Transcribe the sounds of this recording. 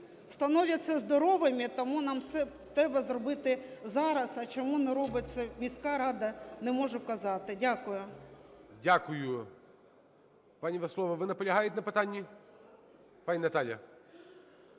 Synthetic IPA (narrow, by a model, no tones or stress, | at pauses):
st̪ɐnɔʋʲɐtʲsʲɐzd̪ɔɾɔʋɪmʲit̪ɔmunɑmt̪sɛ | t̪ɾɛbɐzrɔbɪt̪ɪzɑɾɐsɐt͡ʃɔmunɛɾɔbɪsɐmʲisʲkɑɾɑd̪ɐnɛmɔʒʊkɐzɑt̪ɪdʲakʊjʊ | dʲakʊjʊ | panʲiʋɐslˠɔʋɐʋɪnɐpɔlʲɐɦajɪtʲnɐpɪt̪anʲːi | panʲinɐt̪alʲjɐ̰